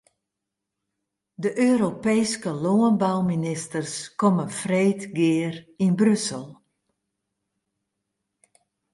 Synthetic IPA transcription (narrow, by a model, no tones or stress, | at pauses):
dəʔøːɾopeːskəloənbawminɪstərskɔmənfreːtɡɪərinbrøsəlˠ